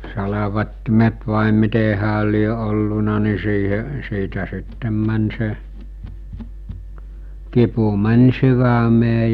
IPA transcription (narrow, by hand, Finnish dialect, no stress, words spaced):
sɑlɑʋɑtːimet ʋɑˑe mite hæːl̆ lie olːunɑ ni siːhe siːtæ sitːem mæn se kipu mænʲ syʋæmeː